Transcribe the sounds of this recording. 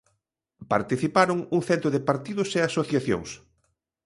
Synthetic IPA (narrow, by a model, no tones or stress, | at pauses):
paɾt̪iθipaɾʊŋuŋθɛnt̪ɾʊðɪpaɾt̪iðʊseasoθjaθjo̰ŋs